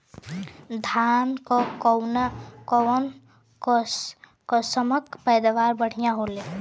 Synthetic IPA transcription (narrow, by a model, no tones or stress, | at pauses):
d̪ʱankokɔwnkɔn | ko | kosəməkpəjd̪ʋaɾbəɽ̤ijãɦole